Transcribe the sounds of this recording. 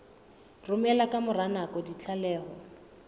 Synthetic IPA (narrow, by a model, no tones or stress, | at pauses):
rʊmɛlakamʊranakɔdit͡ɬʰalɛːhɔ